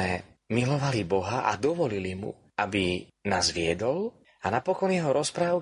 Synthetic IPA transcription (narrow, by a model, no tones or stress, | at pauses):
ɛ | milɔʋalibɔɦaʔa̰d̪ɔʋɔlilimṵ | abinaːzʋɪɛd̪ɔl | anapɔkɔnjɛɦɔɾɔspɾaːʊ